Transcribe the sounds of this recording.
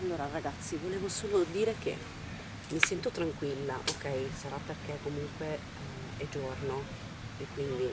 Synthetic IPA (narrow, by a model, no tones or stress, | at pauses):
alːoːɾaraɡat̪sːivoleːvosoːlod̪iːɾek̟ḛ | misɛnt̪ot̪ɾaŋkwilːaʔokɛjsaɾapːerkekːomuŋkwe | ɛd͡ʒorno | ekːwind̪i